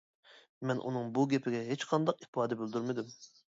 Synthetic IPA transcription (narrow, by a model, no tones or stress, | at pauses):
mɛnʔṵnɨŋbuɡʲɛpʰɪɡʲɛɦet͡ʃqʰɑnd̪ɑqifɑːd̪ɛbøld̪yɾmɪd̪ym